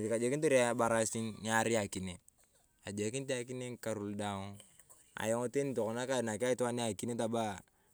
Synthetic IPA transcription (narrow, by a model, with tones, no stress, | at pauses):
ka˨d͡ʒe˨kint̬u˦ɾa˦ba˨ɾa˦si˦nɲa˦ɾi˦a˨ki˨ne | a˨d͡ʒɛ˨ki˦nt̬i˦a˦ki˦ne˦ŋka˨ɾu˦lda˦ŋ | a̰˨jɔ˦ŋo˦te˦nitɔ˨kɔ˨na˦ka˦˨na˨ki˦a˦i˦tɔ˦a˦ne˦a˨ki˦ne˦ta˨ba˦